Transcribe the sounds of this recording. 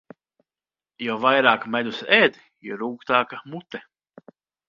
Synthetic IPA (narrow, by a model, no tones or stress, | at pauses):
javajɾaːkmɛd̪usɛːd̪ | jɔɾuːkt̪aːkamut̪ɛ